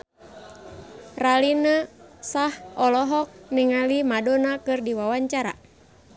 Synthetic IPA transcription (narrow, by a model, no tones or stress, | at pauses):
ralinəsahɔlɔɦɔk̚niŋalimadɔnakɨrdiwawaɲt͡ʃaɾa̰